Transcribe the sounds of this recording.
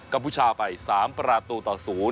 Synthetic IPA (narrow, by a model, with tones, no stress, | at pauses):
kka˧mpʰuː˧˩t͡ɕʰaː˧pa˧jsaː˩˦mpɾaː˧t̪uː˧t̪ɔː˨˩suː˩˦